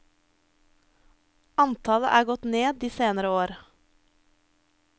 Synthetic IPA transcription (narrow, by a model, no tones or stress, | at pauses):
ɑnt̪ʰɑːləʔæːɡɔt̪neːd̪iːseːnəɾəoːɾ